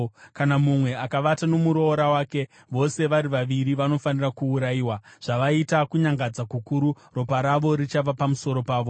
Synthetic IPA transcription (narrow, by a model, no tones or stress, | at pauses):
kanamumwe̞akaʋatano̞muɾo̞ːɾawaːke̞ | ʋo̞se̞ʋaɾiʋaʋiɾiʋano̞fanirakuːɾajiːwaʐ̥aʋaitakuɲaŋɡad͡zakukuɾu | ro̞paɾaʋo̞ɾit͡ʃaʋapamuso̞ɾo̞paːʋo̞